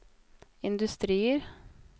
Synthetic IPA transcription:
ɪnd̪ʉst̪ɾiːəɾ

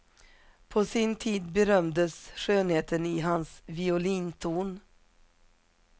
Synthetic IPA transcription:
pʰosɪnt̪ʰiːd̪bɛɾœmd̪əsɧøːnheːt̪ʰənɪɦansvɪʊliːnt̪ʰuːn

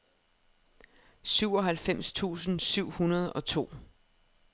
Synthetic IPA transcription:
syʊ̰ɒ̽ɦælfem̰st͡sʰṵːsn̩syʊ̰hunɐð̞ˠɒ̽t͡sʰo̝̰ː

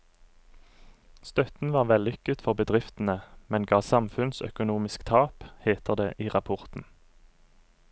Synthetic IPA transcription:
st̪œt̪n̩ʋɑːʁʋɛlʏkət̪fɔʁbəd̪ʁɪft̪n̩əmɛnɡɑːsɑmfʉnsœ̰kʊnuːmɪskt̪ʰɑːpheːt̪əʁd̪ḛːʔiːʁɑpʰʊʁt̪n̩

